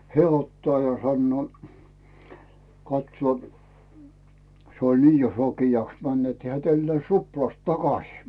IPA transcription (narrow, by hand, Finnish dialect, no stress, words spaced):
heæˑ otːɑː jɑ sɑnːŭoˑ kɑtsŭoˑ se olʲ ni jo sokijɑks mæn net heæˑ tælːĕæˑĭs ruplɑst tɑkɑsiː